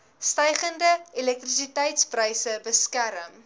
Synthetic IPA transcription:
stəjχəndəilɛk̚trisitɛjtsprəjsəbəskæɾəm

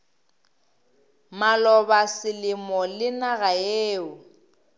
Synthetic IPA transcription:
malɔbasɪlɪmɔlɪnaɣaeːʊ

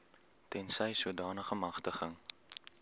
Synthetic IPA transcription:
tɛnsɛjsuədɑːnəχəmɐχtəχəŋ

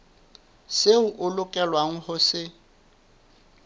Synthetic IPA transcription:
seʊʔʊlʊkʼɛlwaŋ̩hʊsɪ

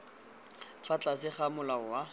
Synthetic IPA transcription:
fat͡ɬʼasɪχamʊlaʊwa

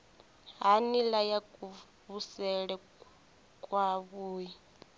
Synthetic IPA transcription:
ɦanilajakʼu | βusɛɺɛ | kʼwaβuːji

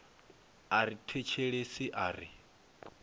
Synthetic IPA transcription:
aɾitʰet͡ʃʰeɺesiʔaːɾi

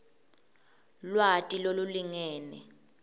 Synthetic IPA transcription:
lwatʼiloluliŋɛːnɛ

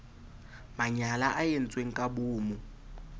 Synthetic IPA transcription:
maɲalaʔajen̩t͡sʼweŋ̩kʼabuːmu

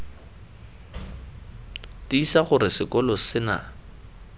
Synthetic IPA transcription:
tiisaχʊɾɪsɪkʼɔlɔsɪna̰

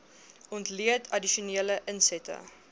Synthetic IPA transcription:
ɔntliətʰɐdiʃuniələʔənsɛtə̰

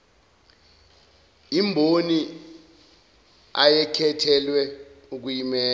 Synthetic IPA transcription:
imbʱoni | ajɛkʰɛtʰɛlwɛuk̬ujimɛː

